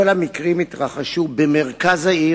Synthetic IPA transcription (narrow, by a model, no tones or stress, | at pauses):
olamikʁimit̪ʁaχaʃubemeʁkazai